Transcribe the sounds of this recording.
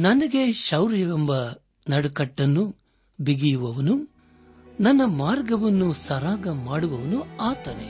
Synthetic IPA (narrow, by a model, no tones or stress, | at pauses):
nɐnɐɡe̞ʃɐwɾjɐʋɐmbɐ | nɐɽukɐʈːɐnːu | biɡijuʋɐʋɐnu | nɐnːɐmaːɾɡɐʋɐnːusɐɾaːɡɐmaːɽuʋɐʋɐnuaːt̪ɐnḛ